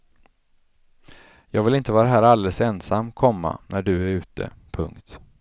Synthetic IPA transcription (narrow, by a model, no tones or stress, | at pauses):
jɑːɡvɪlɪnt̪əvɑːɾaɦæːɾald̪ɛlsɛnsamːkʰɔmːa̰nʔæɖɵæɾʉ̟ːt̪ʰə̰pʰɵŋkt̪